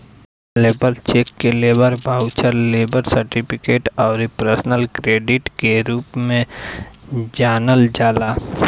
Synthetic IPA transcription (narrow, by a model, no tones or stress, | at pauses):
leːbəlt͡ʃeːkːeleːbəɾbʱaːʊt͡ʃəɾleːbəɾsəɾʈɪpʰɪkeːʈɔːɾpɾəsənəlkɾeːɖɪʈkeɾuːpmẽ | d͡ʒaːnəld͡ʒaːlaː